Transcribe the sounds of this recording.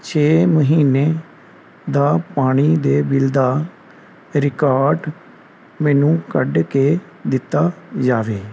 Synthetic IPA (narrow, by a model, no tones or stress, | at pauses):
t͡ʃʰeːməɦiːneː | d̪aːpaːɽ̃iːd̪eːbɪld̪aː | ɾɪkaːɾɖ | mɛːnũːkəɖkeː | d̪ɪt̪ːaːd͡ʒaːʋeː